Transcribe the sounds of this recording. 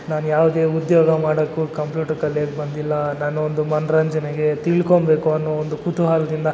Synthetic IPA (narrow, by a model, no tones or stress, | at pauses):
naːnujaːʋud̪eːud̪joːɡɐmaːɽɐkːukɐmpluːʈɐɾkɐljeːɡbɐnd̪ilːɐnaːnuond̪umɐnɾɐɲd͡ʒɐneɡe̞t̪iːɭkombeːkuɐnːoːond̪ukut̪uɦaːlɐd̪ind̪ɐ